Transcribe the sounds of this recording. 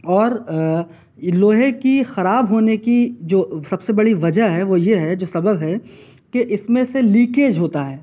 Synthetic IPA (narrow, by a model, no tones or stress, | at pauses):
ɔːɾ | loːɦekixɐɾaːbɦoːnekid͡ʒoːsɐbsebɐɽiʋɐd͡ʒəɦɦɛʋojeɦɛd͡ʒoːsɐbəbɦɛ | keʔɪsmẽseliːkeːd͡ʒɦoːt̪aɦɛː